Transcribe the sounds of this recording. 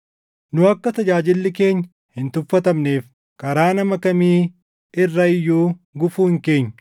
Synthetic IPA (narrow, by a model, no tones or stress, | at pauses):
nʊɐkːɐt̪ɐd͡ʒaːd͡ʒɪlːɪke̞ːɲː | hɪnt̪ʊfːɐt̪ɐmneːf | kɐɾaːnɐmɐkɐmiː | ɪrːɐɪjːuːɡʊfuːhɪŋke̞ːɲːɐ̥